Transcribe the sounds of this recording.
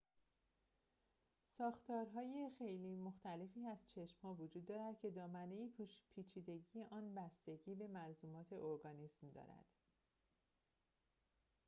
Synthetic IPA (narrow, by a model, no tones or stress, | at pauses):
sɒːxt̪ʰɒːɾɦɒːje̞xejliːmo̞xt̪æle̞fiːæzt͡ʃʰe̞ʃmhɒːvod͡ʒuːd̪ːɒːɾæd̪cʰe̞d̪ɒːmæne̞iːpʰiːt͡ʃʰiːd̪e̞ɟiːjeʔɒːnbæst̪e̞ɟiːbe̞mænzuːmɒːt̪ʰe̞ʔo̞ɾɡɒːniːsmd̪ɒ̰ːɾæ̰d̪̥